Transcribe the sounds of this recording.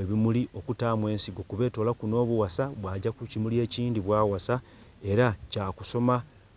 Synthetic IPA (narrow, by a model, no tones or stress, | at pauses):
eβimuliʔo̞kutaːmwe̞ːnsiɡo̞kuβe̞ːto̞ːlakuno̞ːβuwasaβwaːɟakucimulie̞ːciːndiβwaːwasa | e̞ɾacaːkuso̞ma